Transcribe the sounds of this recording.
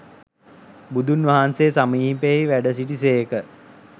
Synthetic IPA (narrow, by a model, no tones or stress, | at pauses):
bud̪unʋaɦansesamiipeiʋæɖəs̬iʈiseekə